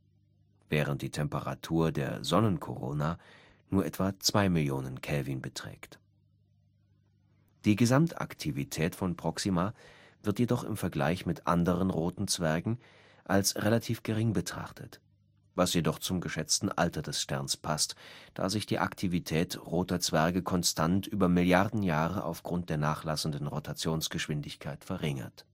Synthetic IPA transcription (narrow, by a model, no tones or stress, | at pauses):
vɛːʁənt̚d̥iːtʰɛmpəʁa̰tʰuːɐdeːɐzɔnənkʰo̰ʁo̰ːna | nuːɐʔɛtv̥at͡sv̥aɪmɪljoːnənkʰɛlvinbətʁ̥ɛ̰ːkt | d̥iːɡəzamta̰ktʰivitʰɛːtfɔnpʁ̥ɔksimaː | vɪɐtjedɔχɪ̰mfɛɐɡla̰ɪçmɪtʔa̰ndəʁənʁoːtn̩t͡sv̥ɛɐɡŋ̩ | ʔalsʁelatʰiːfɡ̥əʁɪŋbətʁ̥a̰χtʰət | vasjedɔχt͡sʊmɡəʃɛt͡stn̩ʔa̰ltɐdɛsʃtɛɐnspʰastd̥a̰ːzɪçd̥iːʔa̰ktʰivitʰɛːtʁoːtɐt͡sv̥ɛɐɡəkʰɔnstʰantʔyːbɐmɪljaʁdn̩jaːʁəʔa̰ʊfɡ̥ʁʊnt̚d̥eːɐnaːχlasn̩dən̩ʁotat͡sjoːnsɡ̥əʃv̥ɪndɪçkʰaɪtfɛɐʁɪŋɐ̰t